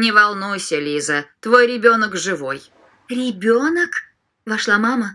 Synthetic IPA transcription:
nʲɪvɐlˠnujsʲəlʲizət̪vo̞jɾʲɪbʲo̞nəkʐɨvoj | ɾʲɪbʲonək | vɐʂlˠamamə

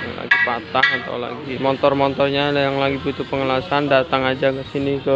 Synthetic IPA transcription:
j̰ŋla̰ɡipat̪ahat̪a̰wla̰ɡimɔnt̪ɔrmɔnt̪ɔrɲajaŋlaɡibut̪upəŋəlasandat̪aŋad͡ʒakəsinikə

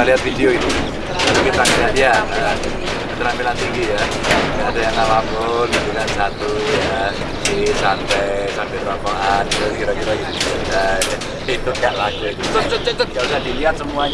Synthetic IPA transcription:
liɦat̪̚fideoit̪u | alokit̪ɾampilandiaa | kit̪əɾampilant̪iŋɡija | aːdajaŋalabɔnɡit̪ukansat̪uja | isampɛsampɛt̪ɾɔpɔŋanit̪skiɾɔkiɾɔɡidisukadɛ | it̪ʊp̚kanlaɡuit̪ut̪ɾʊst͡ʃət͡ʃət͡ʃət̪̚ɡausadiliɦat̪̚səmuaɲ

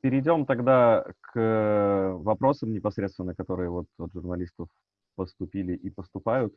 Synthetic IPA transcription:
pʲɪɾʲɪdʲo̞mt̪ɐɡd̪ak | vɐpɾo̞səmnʲɪpɐsɾʲet̪st̪vʲɪnːəkɐt̪o̞ɾɨjəvo̞t̪ɐt̪ʐʊrnɐlʲist̪əf | pəst̪ʊpʲilʲɪʔipəst̪ʊpajʊt̪

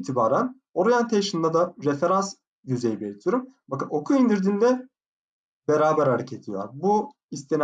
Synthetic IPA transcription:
t̪ʰibaːɾæn | o̞ɾjant̪ʰejʃɯnd̪ad̪aɾefe̞ɾans | jyzejibelʲit̪ʰijoɾumbakɯno̞kʰuind̪iɾd̪inid̪ɛ | beɾaːbæɾhaɾecʰed̪ʰijo̰ɾbu | ist̪ʰen

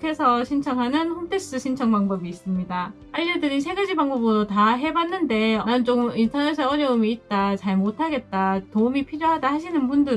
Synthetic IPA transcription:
kʰe̞sʰʌɕʰint͡ɕʰʌŋɦanɯnɸontʰe̞s͈ɯɕʰint͡ɕʰʌŋbaŋbʌbiːs͈ɯmɲida | ajedɯɾinsʰe̞ɡad͡ʑibaŋbʌbɯɾotaɦe̞banːɯnde̞ʌnant͡ɕ͈okɯmintʰʌnes̬ʰʌʌɲjʌumiːt̚t͈at͡ɕaɭmotʰaɡe̞t̚t͈atoumipʰiɾjoɦadaɦaɕʰinɯnbundɯ

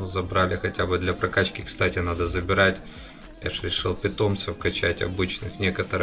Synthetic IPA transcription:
zɐbɾalʲɪxɐtʲabɨd̪lʲɐpɾɐkat͡ɕkʲɪkst̪atʲɪnad̪əzəbʲɪɾatʲ | ja̰ʐɾʲɪʂɨlˠpʲɪt̪o̞mssəfkɐt͡ɕætʲɐ̰bɨt͡ɕnɨxnʲekət̪əɾɨ

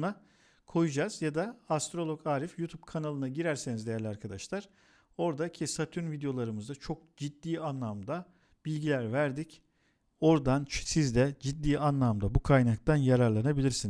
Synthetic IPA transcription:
na | kʰo̞jud͡ʒaz̥jad̪aːst̪ɾo̞lˠo̞kʰaːɾifjut̪ʰubkʰanalˠɯnaɟiɾæɾsenizd̪ejælʲaɾkʰad̪aʃlˠaɾ̥ | o̞ɾd̪acʰisat̪ʰyɾnvid̪ejo̞lˠaɾɯmɯzd̪at͡ʃʰo̞k̚d͡ʒid̪ːiːanlˠamd̪a | b̥ilʲɟilʲæɾvæɾd̪ic | o̞ɾd̪ansizd̪ɛd͡ʒid̪ːiːanlˠamd̪abukʰajnak̚t̪ʰanjaɾaɾlˠanabilʲiɾsinz̥

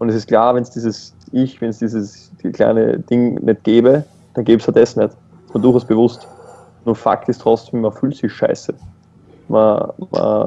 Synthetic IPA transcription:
ʔʊntɛsɪstkʰl̥aːɐvɛnsd̥iːzəs | ʔɪçvɛnsd̥iːzəs | kʰla̰ɪnə̰d̥ɪŋnʔɛt̚ɡ̥ɛːbə | d̥anɡeːbəstʰatdɛsnɛt | ɪ̥stmiɐdʊɐaʊsb̥əvʊst | nuːɐfa̰ktɪstʁ̥ɔt͡sd̥eːmɐfyːltsɪçʃa̰ɪsə | ma̰ma̰

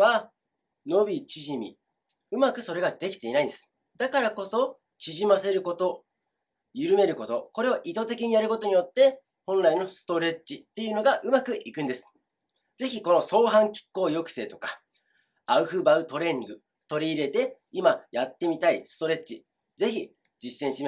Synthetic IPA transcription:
a | no̞bʲit͡ɕiʑimʲḭ | ɯ̟makɯ̟so̞ɾe̞ɡad̪̥e̞kʲi̥t̪e̞inaind̪esɨ̥ | d̪akaɾako̞so̞ | t͡ɕiʑimase̞ɾɯ̟ko̞t̪o̞ | jɯ̟ɾɯ̟me̞ɾɯ̟ko̞t̪o̞ko̞ɾe̞oʔit̪o̞t̪e̞k̬ʲiɲ̟ijaɾɯ̟ko̞t̪o̞ɲ̟ijo̞t̪ːe̞ | hõ̞nɾaino̞sɨ̥t̪o̞ɾe̞t͡ɕːit̪ːe̞jɯ̟no̞ɡaʔɯ̟makɯ̟ʔikɯ̟̃nd̪esɨ̥ | d͡ze̞çiko̞no̞so̞ːɦãŋkʲi̥kːo̞ːjo̞kɯ̟̥se̞ːt̪o̞kḁ | aɯ̟ɸɯ̟baɯ̟t̪o̞ɾẽ̞ŋɡɯ̟ | t̪o̞ɾʲiːɾe̞t̪e̞ | imajat̪ːe̞mʲit̪aisɨ̥t̪o̞ɾe̞t͡ɕi | ze̞çʲi | d͡ʑisːẽɕit̪ei

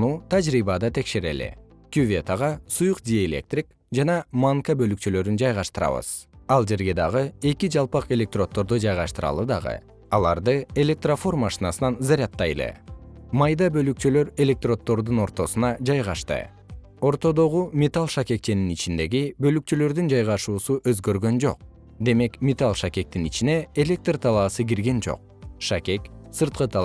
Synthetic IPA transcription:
nut̪ʰad͡ʒɾiβɑd̪ɑt̪ʰe̞kʃe̞ɾe̞̰lḛ | kʲuvʲe̞t̪aʁɑsujuqd̪ʲioelʲe̞̰k̚t̪rʲik | d͡ʒɑnɑmaŋkabø̞lykt͡ʃylø̞ɾynd͡ʒɑjʁɑʃt̪ɯɾɑ̰βɯ̰z̥ɑlˠd͡ʒe̞ɾɡe̞d̪ɑʁɯe̞kid͡ʒɑlˠpɑqe̞lʲe̞k̚t̪ro̞t̪ːo̞ɾd̪ud͡ʒɑjʁɑʃt̪ɯɾɑ̰lˠɯd̪ɑ̰ʁɯ̰ | ɑlˠɑ̰ɾd̪ɯe̞lʲe̞k̚t̪rofo̞rmaʃinɑsɯnɑnzaɾʲat̪ːɑjlˠḛmɑjd̪ɑbø̞lyk̚t͡ʃylø̞ɾe̞lʲe̞k̚t̪ro̞t̪ːo̞ɾd̪uno̞ɾt̪o̞sunɑd͡ʒɑjʁɑʃt̪ɯ̰ | o̞ɾt̪o̞d̪o̞ʁumʲet̪alˠʃake̞k̚t͡ʃe̞ninit͡ʃind̪e̞ɡibø̞lyk̚t͡ʃylø̞ɾd̪ynd͡ʒɑjʁɑʃuːsuʔø̞zɡø̞ɾɡø̞nd͡ʒo̞̰q̚ | d̪e̞me̞kmʲet̪alˠʃakʲe̞k̚t̪init͡ʃine̞ːlʲe̞k̚t̪rt̪ʰɑlˠɑːsɯɡiɾɡe̞nd͡ʒo̞̰q̚ | ʃake̞ksɯɾt̪̚qɯt̪ʰɑ

